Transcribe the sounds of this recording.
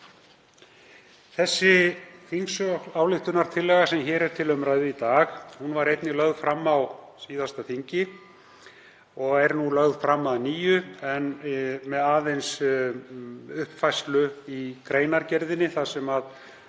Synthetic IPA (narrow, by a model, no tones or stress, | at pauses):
θɛsːɪθiŋksaːwlɪxt̪ʏnaɾ̥t̪ʰɪlːɛːɣasɛmçɛːɾɛɾ̥t̪ʰɪlœmɾaɥðɪit̪aːxhunvaɾejt̪nɪlœɣðfɾamːawsiːðast̪aθiɲcɪ | ɔɣɛɾnulœɣðfɾamːaðniːjʏɛnmɛðaːðejns | ʏhpfajst̪lʏikɾeːjnaɾcɛɾðɪnːɪθasɛmað